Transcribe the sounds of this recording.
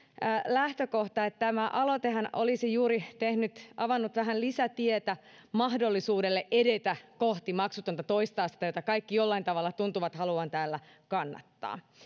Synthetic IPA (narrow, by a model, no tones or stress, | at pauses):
læht̪økoht̪ɑet̪t̪æmæʔɑlot̪eɦɑnʔolisijuːɾit̪ehnyt̪ʔɑʋɑnːut̪ʋæɦænlisæt̪iet̪æ | mɑɦdolːisuːdelːeʔʔedet̪ækoht̪imɑksut̪ont̪ɑt̪oist̪ɑːsi̥t̪ɑjot̪ɑkɑijkːijolːɑint̪ɑʋɑlːɑt̪unt̪uʋɑt̪hɑluɑnt̪æːlːæ | kɑnːɑ̰t̪ːɑ̰ː